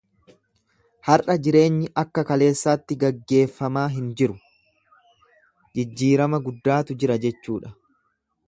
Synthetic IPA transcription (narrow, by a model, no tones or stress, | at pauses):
hɐrʔɐd͡ʒɪɾe̞ːɲːɪʔɐkːɐkɐle̞ːsːaːt̪ːɪɡɐɡːe̞ːfːɐmaːɦɪnd͡ʒɪɾʊ | d͡ʒɪd͡ʒːiːɾɐmɐɡʊd̪ːaːt̪ʊd͡ʒɪɾɐd͡ʒɛt͡ʃːuːᶑɐ̥